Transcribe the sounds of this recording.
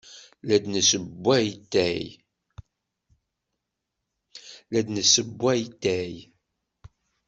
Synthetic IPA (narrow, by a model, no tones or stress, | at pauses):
læd̪nəsəbːæjt̪ːæj | læd̪nəsəbːæjt̪ːæj